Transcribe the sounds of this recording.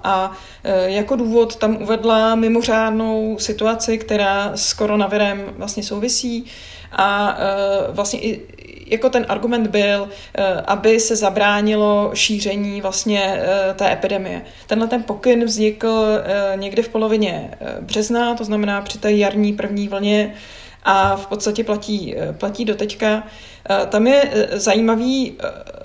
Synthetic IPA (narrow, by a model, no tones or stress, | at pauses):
ʔa | jako̞duːvo̞t̪ːamʔuvɛdlamɪmo̞r̝aːdno̞wsɪt̪uat͡sɪkt̪ɛɾaːsko̞ɾo̞navɪɾɛmvlast̪ɲɛsowvɪsiː | ʔa | vlast̪ɲɛ̰ʔɪ | jako̞t̪ɛnʔa̰ɾɡumɛnd̪bɪl | ʔabɪsɛzabɾaːɲɪlo̞ʃiːr̝ɛɲiːvlast̪ɲɛt̪ɛːʔɛpɪdɛmɪjɛ̰ | t̪ɛnɦlɛt̪ɛnpo̞kɪnvzɲɪkl̩ɲɛɡdɪfpo̞lo̞vɪɲɛbr̝̥ɛznat̪o̞znamɛnaːpr̝̥ɪt̪ɛːjaɾɲiːpr̩vɲiːvl̩ɲɛ | ʔafpot̪st̪acɛplaciːplaciːdot̪ɛcka | t̪amjɛzajiːmaviː